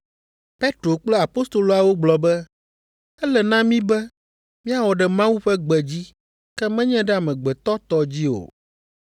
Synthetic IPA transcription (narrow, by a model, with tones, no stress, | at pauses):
pe˦t̪ɾo˨k͡plɛ˦a˨po˦st̪o˨lo˨a˨wo˦ɡ͡blɔ˨bɛ˦ | ɛ˦lɛ˨nã˦mĩ˦bɛ˦ | mĩ˦a˨wɔ˨ɖɛ˨mã˦wu˦ɸɛ˦ɡ͡bɛ˨d͡ʑi˦ | kɛ˦mɛ̃˦ɲɛ̃˦ɖɛ˦a˨mɛ̃˨ɡ͡bɛ˨t̪ɔ˦t̪ɔ˨d͡ʑi˦o̰˨